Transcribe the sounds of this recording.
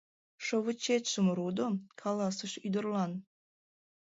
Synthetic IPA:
ʃoβət͡ɕet̪ʃəmɾud̪okʰɑlɑsəʃyd̪ə̆rlɑn

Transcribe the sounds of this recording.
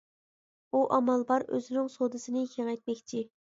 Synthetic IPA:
uʔɑmɑlˠbɑɾø̰zɪnɪŋsod̪ɨsɨnɪkʲʰeŋɛjt̪̚mɛkʲt͡ʃʰi

